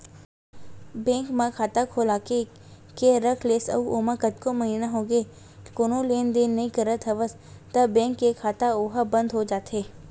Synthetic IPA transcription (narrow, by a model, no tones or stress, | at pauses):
bẽːŋkmãkʰaːt̪akʰoːlaːke | keɾəkʰleːsɐ̰uoːmãkɐt̪komɐɦinaɦoːɡe | koːnõleːnd̪eːnːɐɦĩkəɾət̪ʰɐʋəs | t̪ɐbɛ̃ːŋkːekʰaːt̪aoɦabɐ̃nd̪ɦod͡ʒaːt̪eː